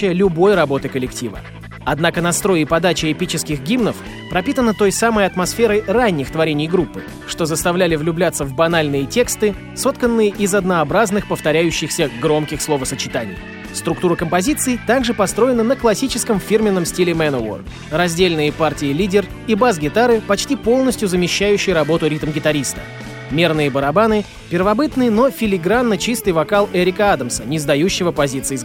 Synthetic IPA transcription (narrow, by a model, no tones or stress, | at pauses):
ɪjəlʲʊbo̞jrɐbo̞t̪ɨkəlʲɪktʲivə̰ | ɐd̪nakənɐst̪ɾo̞jɪpɐd̪at͡ɕɪɛpʲit͡ɕɪskʲɪɣɡʲimnəf | pɾɐpʲit̪ənət̪o̞jsaməjɐt̪mɐsfʲeɾəjranʲːɪxt̪vɐɾʲenʲɪjɡɾupːɨ | ʂt̪o̞zəst̪ɐvlʲælʲɪvlʲʊblʲat̪sːəvbɐnalʲnɨjətʲe̞kst̪ɨ | so̞t̪kənːɨjəʔɪzɐd̪nəɐbɾaznɨxpəft̪ɐɾʲæjʉɕːɪxsʲəɡɾo̞mkʲɪxslˠo̞vəsət͡ɕɪt̪anʲɪ̰j | st̪ɾʊkt̪uɾəkəmpɐzʲit̪sɨɪt̪aɡʐɨpɐst̪ɾo̞jɪnənəklˠɐsʲit͡ɕɪskəmfʲirmʲɪnːəmsʲtʲilʲɪmɛnʊo̰r | rɐzʲdʲelʲnɨjəpartʲɪɪlʲidʲɪr | ibasɡʲɪt̪aɾɨpɐt͡ɕtʲipo̞lˠnəsʲtʲjʊzəmʲɪɕːæjʉɕːɪjɾɐbo̞t̪ʊɾʲit̪mɡʲɪt̪ɐɾʲist̪ə̥̰ | mʲernɨjəbəɾɐbanɨ | pʲɪrvɐbɨt̪nɨjəno̞fʲɪlʲɪɡɾanːət͡ɕist̪ɨjvɐkalˠɛɾʲɪkəad̪əmsənʲɪzd̪ɐjuɕːɪvəpɐzʲit̪sɨɪ